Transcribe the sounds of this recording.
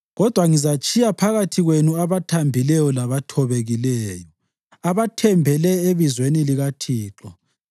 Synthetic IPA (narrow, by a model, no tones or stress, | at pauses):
ɣɔd̥ʱwaŋizat͡ʃʼʰijapʰaɣatʰiɣwenuaβatʰambʱilɛjɔlaβatʰɔβeɣilɛːjɔ | aβatʰɛmbʱɛlɛeβizweniliɣatʰiːǁɔ̰